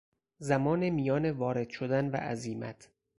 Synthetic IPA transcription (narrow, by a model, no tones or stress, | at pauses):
zæmɒːnemijɒːnevɒːɾe̞d̪̥ʃod̪ænvæ̰ʔæziːmæ̰t̪ʰ